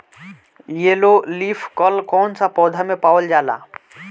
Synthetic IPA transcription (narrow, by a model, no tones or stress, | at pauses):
jeloliːpʰkɔlkɔːnsapɔːd̪ʱamẽpaːʋəld͡ʒaːla̰ː